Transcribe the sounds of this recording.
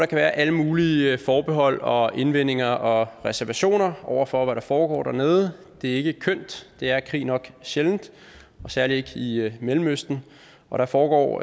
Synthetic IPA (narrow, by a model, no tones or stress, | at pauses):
ɾ̥ɑ̈kʰæʋæːɐʔæləmuːlifɒːb̥e̝ɦɒ̽l̰ɒ̽ʔe̝nʋen̰e̝ŋɐʔɒ̽ʁɛsæɐʋæɕo̝̰ːnɐʔɒʊ̰ɐfɒ̽ʋæɾ̥ɑ̈fɒːɡ̥ɒ̰ːd̥ɾæɐne̝ːð̞ˠəd̥e̝æɐe̝ɡ̥əkʰøn̰d̥d̥e̝æɐkʰʁḭːnɒ̽ɡ̥ɕeln̩d̥ | ɒ̽sæɐlie̝ɡ̥əimelm̩øsd̥n̩ | ɒ̽ɾ̥ɑ̈fɒːɡ̥ɒ̰ː